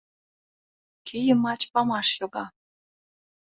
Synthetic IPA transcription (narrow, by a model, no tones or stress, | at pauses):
kʰijə̆mɑt͡ɕpɑmɑʃjoɣɑ